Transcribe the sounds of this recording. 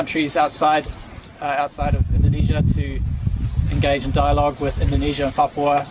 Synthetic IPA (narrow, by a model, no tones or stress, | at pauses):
nt͡ʃɹ̥izaʊtsaɪd | aʊtsaɪɾəvɪ̃ndəniːʒətʰə | ɛ̃nɡeɪd͡ʒɪ̃ndaɪəlɔɡwɪðɪ̃ndəniːʒəə̃nfɑpʰəə